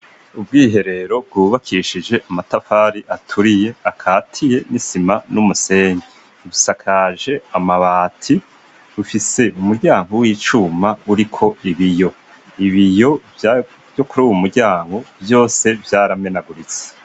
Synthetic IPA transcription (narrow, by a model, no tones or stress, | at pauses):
ub̚ɡiːɦe̞ɾe̞ɾo̞b̚ɡuːβakʰiʃid͡ʒe̞ʔamatafaːɾiʔatʰuɾije̞akʰaːtʰije̞nisimanumuse̞ːɲɡe | βusakʰaʒe̞amaβaːtʰi | βufise̞umuɾɟaːŋɡowiːt͡ʃumauɾikʰo̞iβijo̞ | iβijo̞̥ | jo̞kuɾuːwumuɾɟaːŋɡo̞bjo̞ːse̞vjaːɾame̞naɡuɾit͡se̥